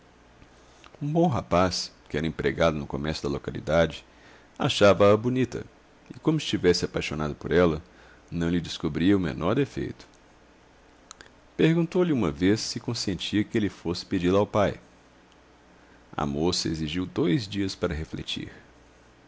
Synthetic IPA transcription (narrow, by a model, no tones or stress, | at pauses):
ũbõw̃ɦapaskɪɛɾɐẽpɾeɡad̪ʊnʊkomɛɾsʊd̪ɐlokalḭd̪ad͡ʒɪ | a̰ʃavɐɐbunit̪ɐ̰ | ɪkõmʊɪst͡ʃivɛsɪapajʃonad̪ʊpoɾɛlɐ | nɐ̃w̃lɪd͡ʒɪskobɾiɐʊmḛnʔɔɾd̪efḛjt̪ʊ̥ | peɾɡũnt̪owlɪũmɐvesːɪkõsẽnt͡ʃiɐkɪelɪfosɪ̥ped͡ʒilawpaj | ɐ̰mosɐeziʒiwd̪ojzd͡ʒiɐspaɾɐɦeflḛt͡ʃḭɾ